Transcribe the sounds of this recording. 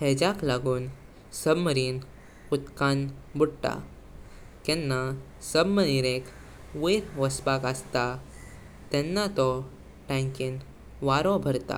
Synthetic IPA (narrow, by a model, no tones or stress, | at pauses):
hɛd͡ʑaklaɡuːn | səbməɾiːn | ut̪kanbuɽʈ̪a̰ | kɛnːa | səbməniɾek | ʋeɾʋəsbakəst̪a | t̪ɛnːat̪ɔ | ʈɛ̃ŋkin | ʋaɾɔ̃bʱəɾt̪a̰